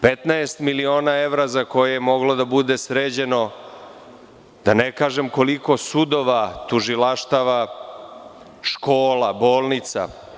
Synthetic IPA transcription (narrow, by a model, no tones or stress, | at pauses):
pet̪naest̪milio̞ːnaeʋɾazako̞jejemo̞ɡlod̪abud̪esɾeːd͡ʑe̞no̞ | d̪̥anekaːʒemko̞liko̞sud̪o̞ʋat̪uʒilaʃt̪aʋa | ʃkoːlaboːlˠnit̪sa̰